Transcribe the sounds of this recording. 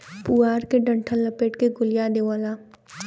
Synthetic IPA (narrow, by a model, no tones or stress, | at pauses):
puːaːɾkeɖɐ̃ɳʈʰəlːɐpeːʈkeɡʊlijad̪eʋaːlaː